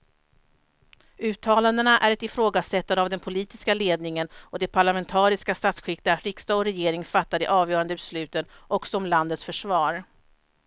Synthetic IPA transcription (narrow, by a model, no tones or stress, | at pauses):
ʉ̟ːt̪ʰːɑːland̪ənaʔæɾɛt̪ɪfɾoːɡasɛt̪ːanəavd̪ɛnpʰʊliːt̪ɪskaleːd̪nɪŋənɔd̪ɛpʰaɭamɛnt̪ʰɑːɾɪskast̪at̪sɧɪk̚t̪aɾɪkst̪ɑːɔɾɛjeːɾɪŋfat̪ːad̪ɛ̰ʔɑːvjœːɾand̪əbɛslʉ̟ːt̪ən | ʔɔksɔɔmland̪ət̪sfœʂvɑːɾ